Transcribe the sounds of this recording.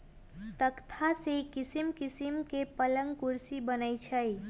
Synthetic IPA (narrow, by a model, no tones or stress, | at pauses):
t̪əkt̪ʰasekɪsimkɪsimkepələ̃ŋɡkʊɾsibənəit͡ʃʰəj